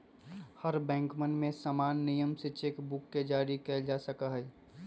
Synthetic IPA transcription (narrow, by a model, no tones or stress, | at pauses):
həɾbɛ̃ːŋkmənmẽsamaːnːijəmset͡ʃekbʊkːed͡ʒaːɾikɛd͡ʒasəkaɦɛː